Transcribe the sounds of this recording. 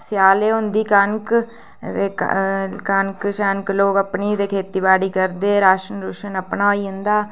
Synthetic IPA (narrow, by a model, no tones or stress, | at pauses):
sjaːleːɦʊ̃nd̪iːkənk | ḛː | kənkʃənkloːkəpniːd̪eːkʰeːt̪iːbaːɽiːkəɾd̪eːɾaːʃənɾuʃənəpnaːoiːɦʊ̃nd̪aː